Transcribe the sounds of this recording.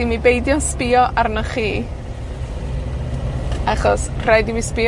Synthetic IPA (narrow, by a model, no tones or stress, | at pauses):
imibejdjɔnspɪɔʔarnaχiː | aχɔsr̥ajdimispɪ